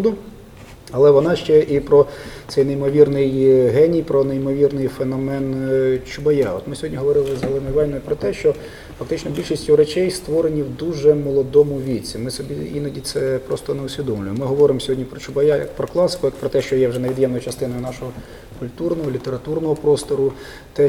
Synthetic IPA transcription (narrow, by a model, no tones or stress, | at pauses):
ud̪ʊ | ɐlˠɛʋɔnɑʃt͡ʃɛʔipɾɔt̪sɛjneimɔʋʲirnɪjɦɛnʲijpɾɔneimɔʋʲirnɪjfenɔmɛnt͡ʃʊbɐjaɔ̰t̪mɪsʲɔɦɔdʲnʲiɦɔʋɔɾɪlˠɪzɐlˠɪnʊʋɑlʲnɔjʊpɾɔt̪ɛʃt͡ʃɔ | fɐk̚t̪ɪt͡ʃnɔbʲilʲʃisʲtʲʊwɾet͡ʃɛjst̪ʋɔɾenʲiwd̪uʒɛmɔlˠɔd̪ɔmʊʋʲit͡sʲimɪsɔbʲiinɐdʲit̪sɛpɾɔst̪ɔneʊsʲʋʲid̪ɔmlʲʊjɪmɪɦɔʋɔɾɪmɔsʲɔɦɔdʲnʲipɾɔt͡ʃʊbɐjajɐ̰k̚pɾɔklˠɑsɪ̥kʊjɐkpɾɔt̪ɛʃt͡ʃɔjɛwʒɛneʋʲid̪jɛmnɔjʊt͡ʃɐst̪ɪnɔjʊnɑʃɔɦɔ | kʊlʲt̪urnɔɦɔlʲit̪eɾɐt̪urnɔɦɔpɾɔst̪ɔɾʊ | t̪ɛ